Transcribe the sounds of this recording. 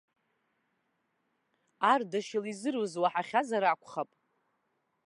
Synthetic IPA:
ardaʃɪlizɨrwuzwaħaχʲazaɾakʷʰʼχapʼ

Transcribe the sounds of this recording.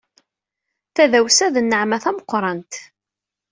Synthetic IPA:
θæðæwsæðənːəʕmæθæməqʷːɾˤɑnt̪

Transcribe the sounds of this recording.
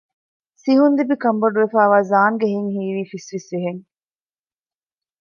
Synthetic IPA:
siɦund̪ibikɐmbɐɖuʋefæːʋaːzaːŋɡeɦiŋhiːʋiːfisʋesʋiɦeŋ

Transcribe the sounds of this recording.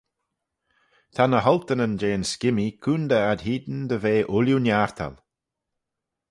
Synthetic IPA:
t̪ʰanəɦɔlt̪ənənd͡ʒeːnskɪmikʰuːnd̪əad̪hiːd̪ən̩d̪əveːʔʊljunjaɹt̪ʰa̰l

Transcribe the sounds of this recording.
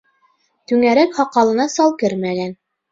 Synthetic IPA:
t̪ʉŋæɾækhɑqːɑlˠɤ̆nɑsɑlˠkɘɾmæɡæn

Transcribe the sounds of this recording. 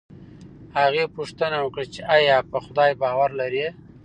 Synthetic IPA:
haɣepuʂt̪ənawəkɽat͡ʃeʔɑjɑpəxʊd̪ɑjbɑwaɾlaɾi

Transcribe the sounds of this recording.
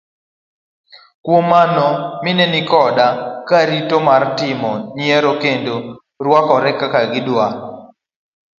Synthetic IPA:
kwomanɔmɪnɛnɪkɔdakaɾitomartɪmɔnjɛɾokendo | ɾwakɔɾɛkakaɡɪdwa

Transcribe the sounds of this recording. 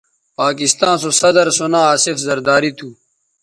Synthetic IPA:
paːkist̪ãːns̬osɐd̪ɐɾsonãːaːsifzɐɾd̪aːɾit̪ʰuː

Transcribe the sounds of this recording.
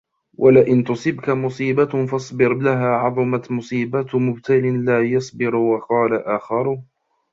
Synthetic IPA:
wʔalaʔɪnt̪ʊsˤɪbkamʊsˤiːbafɑsˤbɪɾlaɦaːʕɑðˤɑmat̪mʊsˤiːbat̪mʊb̚t̪ʰalɪnlaːjɑsˤbɪɾwɑqɑːlaʔaːxɑɾˤʊh

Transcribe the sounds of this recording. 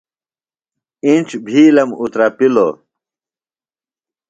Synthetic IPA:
int͡ɕbʱiːlɐmut̪ɾapilo

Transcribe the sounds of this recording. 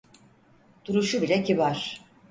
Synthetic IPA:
d̪̥uɾuʃubilʲecʰiβaɾ̥

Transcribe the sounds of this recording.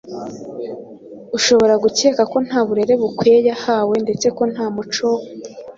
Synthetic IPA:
uʃo̞βo̞ɾaɡuce̞ːkako̞n̥haːβuɾe̞ɾe̞βukwejahawe̞nde̞t͡se̞ko̞n̥haːmut͡ʃo

